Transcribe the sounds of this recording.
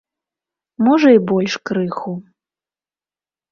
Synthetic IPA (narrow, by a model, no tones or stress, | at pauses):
mɔʐɐibɔlʲʂkɾɨxu